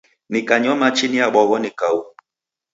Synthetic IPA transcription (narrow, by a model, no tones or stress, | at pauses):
nikaɲɔmat͡ʃiniaɓɔɣɔnikau